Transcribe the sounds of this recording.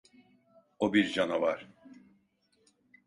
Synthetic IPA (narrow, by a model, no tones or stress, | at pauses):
obiɾd͡ʒanavaɾ̥